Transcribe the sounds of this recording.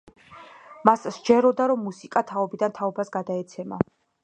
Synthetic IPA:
masd͡ʒɛɾɔd̪aɾɔmːusikʼat̪ʰaɔbid̪ant̪ʰaɔbasɡad̪aɛt̪sʰɛma̰

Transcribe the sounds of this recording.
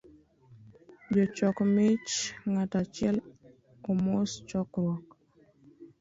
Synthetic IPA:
d͡ʒɔt͡ʃɔkmɪt͡ʃŋatat͡ʃɪɛl | ɔmost͡ʃɔkɾwɔk

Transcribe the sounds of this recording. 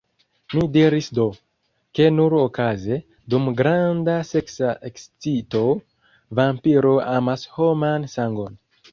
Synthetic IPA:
midiɾisdo̞ | ke̞nuɾo̞kaze̞ | dumɡɾandase̞ksaʔekst͡sito̞ | vampiɾo̞amasho̞mansaŋɡo̞n

